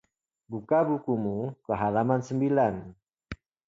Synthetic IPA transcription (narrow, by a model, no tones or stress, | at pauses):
bukabukumukəɦalamansəmbilan